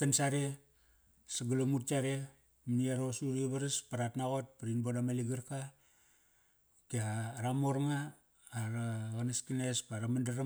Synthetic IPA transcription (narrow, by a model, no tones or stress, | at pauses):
tansaɾe | saɡalomutt͡ʃaɾe | mniaɾosuɾiβaɾaspaɾatnaɣo̞t̚paɾinbodamaliɡaɾka | kiaːɾamoɾŋaː | ɾaɣanaskinespaɾamandaɾa